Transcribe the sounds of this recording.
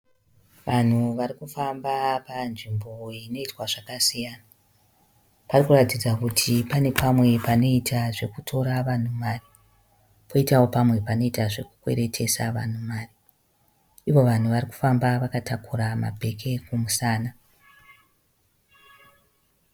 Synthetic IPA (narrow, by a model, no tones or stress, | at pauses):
ʋan̤uʋarikufambapanʐimbo̞ino̞itwaʐakasijaːna | parikuratid͡zakutʰipane̞pamwe̞pano̞itʰaʐe̞kutʰo̞ɾaʋan̤umaːri | pʰo̞itawo̞pamwe̞pano̞itaʐe̞kukwe̞̰ɾe̞tʰe̞sa̰ʋa̰n̤umaːri | iʋo̞ʋan̤uʋariku̥fambaʋakatakurama̰bʱe̞kʰe̞kumusaːna